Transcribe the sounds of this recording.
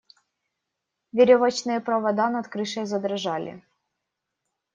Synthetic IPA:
vʲɪɾʲɔvɐt͡ɕnɨjɛpɾɐvɐd̪anɐt̪kɾɨʂəjzɐd̪ɾɐʐalʲɪ̰

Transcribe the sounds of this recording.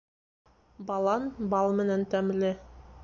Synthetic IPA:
bɑlˠɑnbɑlˠmɘ̆nænt̪æmlɘ

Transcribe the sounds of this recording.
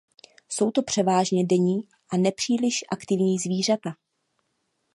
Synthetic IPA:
so̞wt̪o̞pr̝̥ɛvaːʒɲɛdɛɲiː | ʔanɛpr̥iːlɪʃʔakt̪ɪvɲiːzviːr̝at̪a

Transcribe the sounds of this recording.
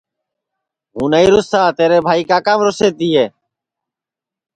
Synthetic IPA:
ɦunajɾʊsaːt̪eːɾebʱaikaːkaːmɾoseːt̪ijeː

